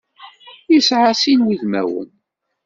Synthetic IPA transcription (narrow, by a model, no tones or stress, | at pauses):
jisʕasinwiðmæ̰wə̰n